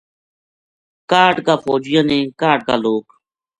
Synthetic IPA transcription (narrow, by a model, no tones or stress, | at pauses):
kaːʈkaːfoːd͡ʒɪjãːnẽːkaːʈ̚kaːloːk